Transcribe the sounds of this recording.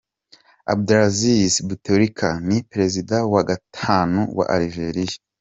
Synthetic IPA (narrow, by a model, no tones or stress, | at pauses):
a̰b̚dɾazisbutoɾikʰanipeɾe̞zidawaɡatʰaːnuwa̰ʔaɾiʒeɾija